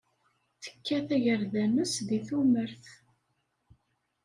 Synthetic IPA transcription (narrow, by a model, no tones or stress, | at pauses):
θə̥kːæθæʝəɾðæməsðiθuməɾθ